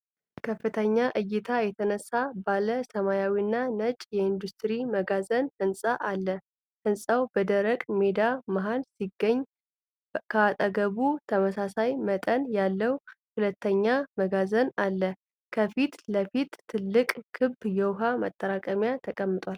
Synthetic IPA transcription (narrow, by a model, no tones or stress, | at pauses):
kʰəfːɨt̪ʰəɲːaʔɨjːɪt̪ʰajɛt̪ʰənəsːabaləsəmajawinːanət͡ʃʼjɛind̪ust̪ʰʼɾiməɡazənhɨnsʼaʔalːə | hɨnsʼawbəd̪əɾəkʼmed̪amaɦalsiɡːəɲː | kʰəat̪ʼəɡəβut̪ʰəməsasajmət̪ʼənjalːəwhulət̪ʰːəɲːaməɡazənalːə | kʰəfit̪ləfit̪ʰːɨlːɨkʼkʰɨbːjɛwɦamə̰t̪ʼːəɾakʼəmjat̪ʰəkʼəmːɨt̪ʼwal